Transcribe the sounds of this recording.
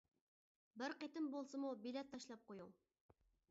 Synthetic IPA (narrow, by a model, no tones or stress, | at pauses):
bɪɾqet̪ɪmbolˠsɨmubilɛt̪ʰːɑʃlˠɑp̚qʰojuŋ